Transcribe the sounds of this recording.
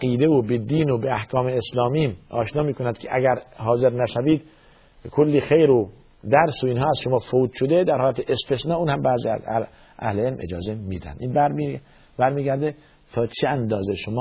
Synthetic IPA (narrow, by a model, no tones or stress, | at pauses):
qiːd̪eobed̪iːnobeæhkʰɒːmeːslɒːmiːmɒːʃnɒːmiːkʰonænd̪̚kʰeʔæɡæɾhɒːze̞ɾnæʃæviːd̪ | kʰolːiːxejɾo | d̪æɾsoiːnɦɒːæzʃomɒːfouːt̪ʃod̪ed̪æɾhɒːlæt̪ʰeʔest̪esnɒːuːnhæmbæːzḭːæ̰z | ʔæ̰hleelmʔed͡ʒɒ̰ːze̞mid̪æ̰nd̪iːnbæɾ | bæɾmiːɡæɾd̪e | t̪ʰɒːt͡ʃʰeænd̪ɒːzeʃomɒː